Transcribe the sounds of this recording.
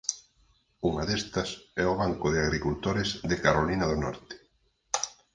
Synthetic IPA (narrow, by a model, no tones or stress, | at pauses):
uŋɐðest̪ɐsɛʊβaŋkʊðɪaɣɾikult̪oɾɪzðɪkaɾolinɐðʊnɔ̰ɾt̪ɪ̥